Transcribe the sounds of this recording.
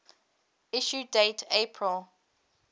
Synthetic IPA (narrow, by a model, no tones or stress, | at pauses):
ɪʃudeɪtʰepʰɹəlˠ